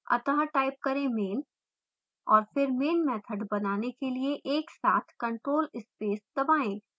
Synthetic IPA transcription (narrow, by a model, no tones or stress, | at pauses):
ɐ̰t̪əɦaʈaːɪp̚kɐɾẽmeːn | ɔːɾfɪɾmeːnmɛːt̪ʰəɖbɐnaːnekelieʔeːksa̰ːt̪ʰkɐ̃ɳʈɾoːlɪspeːsd̪ɐbaːẽː